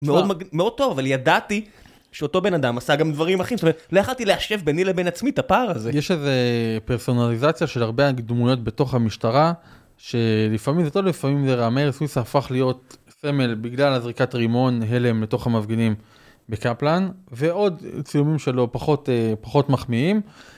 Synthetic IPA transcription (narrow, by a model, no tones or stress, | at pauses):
meo̞d̪maɡmeo̞d̚t̪o̞vavaljadat̪i | ʃeo̞to̞be̞nad̪amasaɡamd̪vaʁimaχimsotomelojaχalt̪ileaʃe̞vbenilebe̞nat͡smitapaːʁazejeʃeze̞peʁso̞nalizat͡sjaʃe̞laʁbeaɡd̪mujo̞tbe̞to̞χhamiʃtaʁa | ʃe̞lifamimzet̪o̞vlifamimzeʁameʁswisaːfaχlijo̞t̪̚ | se̞me̞lbiɡlalazʁikatʁimo̞nɦe̞le̞mleto̞χhamavɡenim | bekaplanve̞o̞dt͡sijumimʃe̞lo̞paχo̞tepaχo̞tmaχmiim